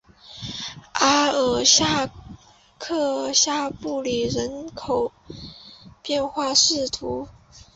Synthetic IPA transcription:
a˥ə˨˩ɕja˥˧ | kʰɤ˥˧ɕja˥˧pu˥˩li˨˩ɻə˧˥nkʰo˨˩ʊ | pjɛ˥˧nxwa˥˧ʂɻ̩˥˩t̪ʰu˧˥

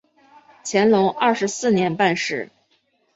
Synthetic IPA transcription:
t͡ɕʰjɛ˧˥nlʊ˧˥ŋɐ˥˩ʂɻ̩˧˥sɹ̩˥˩njɛ˧˥npa˥˧nʂɻ̩˥˩

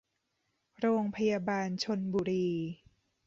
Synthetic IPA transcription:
ɾoː˧ŋpʰa˧jaː˧baː˧nt͡ɕʰo˧nbuː˧ɾiː˧

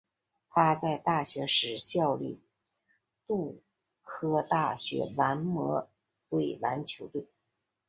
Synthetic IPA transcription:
t̪ʰa˥t͡sa˥˧ɪt̪a˥˩ɕɥɛ˧˥ʂɻ̩˨˧˥ɕjɑ˥˧ʊly̰˥˩ | t̪ʊ˥˩ŋ | kʰɤ˥t̪a˥˩ɕɥɛ̰˧˥wa˧˥nmɤ˧˥ | t̪we˥˩ɪla˧˥nt͡ɕʰjo˧˥ʊt̪we˥˩ɪ

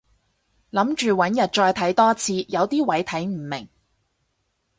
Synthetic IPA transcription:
lɐ˨˥mt͡ʃyː˨wɐ˨˥njɐ˨t̚t͡ʃɔː˧jt̪ʰɐ˨˥jt̪ɔː˥t͡sʰiː˧jɐ˨˧wt̪iː˥wɐ˨˥jt̪ʰɐ˨˥jm̩˨˩mɪ̰˨˩ŋ

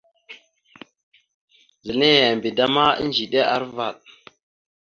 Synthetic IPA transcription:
zə˨ne˦ja˨mbi˨da˦ma˦ḭ˦n˦d͡ʒi˨ɗe˦ʔa̰˦˨ɾva˨ɗ̚

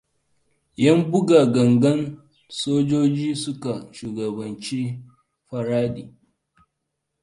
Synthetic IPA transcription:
jɐ˦mbʊ˦ɡa˨ɡɐ˨ŋɡɐ˦n | soː˦d͡ʒoː˦d͡ʒiː˦sʊ˦ka˨ʃuː˨ɡɐ˨bɐ˨nt͡ʃi˦ | ɸɐ˨ɾaː˦diː˨

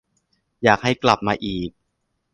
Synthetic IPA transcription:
jaː˨˩k̚ha˥˩jkla˨˩p̚maː˧ʔiː˨˩k̚

